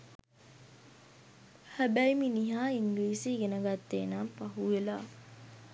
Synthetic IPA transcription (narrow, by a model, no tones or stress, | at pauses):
hæbæjminiɦaːiŋɡliːsiːɡenəɡat̪ːeːnaːpɐɦuela̰ː